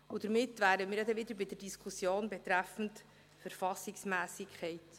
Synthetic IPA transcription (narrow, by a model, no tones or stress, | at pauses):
ud̥̪əɾmɪtːvæːɾəmiːɾjɑd̪ɛʋɪd̪əɾbɪdəɾdiskʰusjoːnbɛt̪ɾæfn̩t | fəɾfɑsɪksmæːsɪkʰχɛɪt